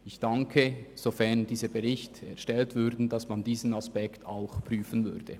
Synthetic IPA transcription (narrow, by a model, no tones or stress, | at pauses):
ɪçd̥aŋkʰəz̥ofɛɐndiːzəbəʁɪçtɛɐʃtɛltv̥ʏɾdn̩dɑsmandiːzn̩aspɛktʰa̰ʊxpʁ̥yːfənvʏ̰ʁd̥ə̰